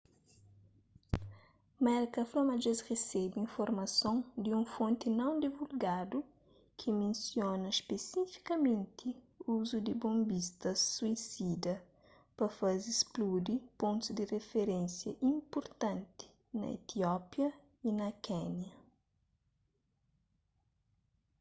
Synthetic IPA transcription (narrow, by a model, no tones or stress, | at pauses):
mɛɾkɐflomad͡ʒezresɛbĩfoɾmɐsõŋd̪iũfõnt̪ɪnɐ̃w̃d̪ivulɡad̪u | kʰɪmẽnsjonɐspesifi̥kɐmẽnt̪ʰɪ | uzud̪ɪbõmbist̪ɐsːuisid̪ɐ | pɐfazisplud̪ipõnt̪uzd̪ɪrefeɾẽnsjɐʔĩmpoɾt̪ɐ̃nt̪ɪ̥ | nɐ̰ḛt̪iɔpjɐ | inɐkɛnjɐ